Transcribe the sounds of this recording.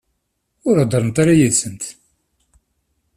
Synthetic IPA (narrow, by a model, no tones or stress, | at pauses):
ʊɾad̪ˤəɾˤənt̪aɾajisənt̪